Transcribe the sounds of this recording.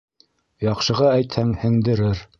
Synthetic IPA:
jɑqʃɤ̆ʁɑæjt̪hæŋhɘ̆ŋd̪ɘ̆ɾɘɾ

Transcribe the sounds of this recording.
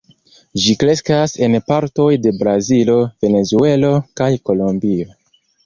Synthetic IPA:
d͡ʒikɾe̞skase̞npaɾto̞jde̞bɾazilo̞ve̞ne̞zue̞lo̞kajko̞lombio̞

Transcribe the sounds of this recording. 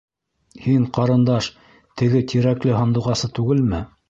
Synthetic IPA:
hiɴqɑɾɤ̆nd̪ɑʃ | t̪ɘ̆ɡɘt̪ʰiɾæklɘɦɑ̆nd̪uʁɑsɤt̪ʉɡɘlmɘ

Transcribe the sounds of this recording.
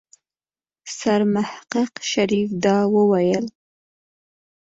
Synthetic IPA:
saɾmahqəqʃaɾifd̪ɑwəwajəl

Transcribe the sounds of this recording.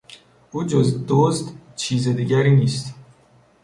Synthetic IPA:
ʔuːd͡ʒozd̪ozd̪t͡ʃʰiːzed̪iːɟæɾiːniːst̪

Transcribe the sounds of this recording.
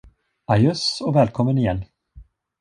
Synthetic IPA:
ajɵsɔvɛːlkʰɔmːənɪjɛlː

